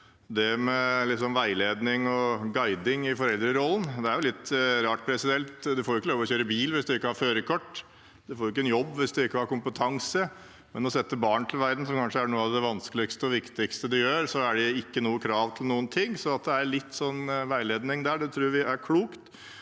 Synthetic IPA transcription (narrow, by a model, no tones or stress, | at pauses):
d̪ɛmɛlɪsɔmʋæɪleːd̪nɪŋɔɡɑɪd̪ɪŋɪfɔɾɛld̪ɾəɪɾɔlːənd̪ɛæɾjʊlɪt̪ːɾɑːʈ̚pʰɾɛsɪd̪ɛlt̪d̪ɛfoɾʊɪkːəloːʋɔɕøːɾəbiːlʋɪsd̪ɛɪkːəhɑɾføːɾəkʰɔʈː | d̪ɛfoːɾʊɪkːəɛnjɔbːʋɪsd̪ɛɪkːəhɑɾkʊmpət̪ʰɑŋsə | mɛnɔsɛt̪ːəbɑːɳt̪ʰɪlʋæɾd̪n̩sɔmkʰɑnʂəæɳuːəɑʋd̪ɛʋɑnskəlɪkst̪əɔʋɪkt̪ɪkst̪əd̪ɛjøːɾsɔæɖɛɪkːənuːəkʰɾɑːʋt̪ʰɪlnuːənt̪ʰɪŋːsɔnɑt̪̚d̪ɛæɾɭɪt̪ːsɔnːʋæɪleːd̪nɪŋd̪æːɖɛt̪ʰɾuːʋɪæɾkʰluːkt̪